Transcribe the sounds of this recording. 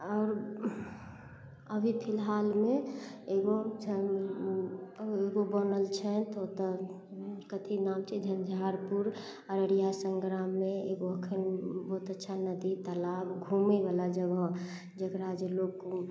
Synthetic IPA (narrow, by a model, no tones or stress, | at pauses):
ɔːɾ | əbʱipʰɪlɦalmeeɡod͡ʒə | eɡobənəlt͡ʃʰɛt̪ot̪ə | kət̪ʰinamt͡ʃʰɛd͡ʒʱənd͡ʒʱaɾpuɾ | ɔɾəɽijasə̃ŋɡɾamːeeɡoəkʰənbɔɦt̪ətːʃʰanəd̪it̪əlabɡʱumebalad͡ʒəbə̃ | d͡ʒəkɾad͡ʒelok